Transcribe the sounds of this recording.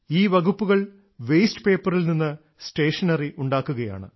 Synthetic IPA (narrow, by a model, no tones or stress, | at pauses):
iːʋɐɣupːuɣɐɭ | ʋejsʈɨ̥pe̞ːpːɐrilninːɨ | sʈe̞ːʂɐnɐriʔuɳɖaːkːuɣɐja̰ːɳɨ̰